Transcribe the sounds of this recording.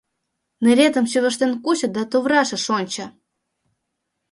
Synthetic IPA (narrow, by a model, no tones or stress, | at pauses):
nĕɾʲet̪ə̆mɕyβə̆ʃt̪enkut͡ɕə̆d̪ɑt̪oβrɑʃɤ̆ʃonʲt͡ɕɑ̆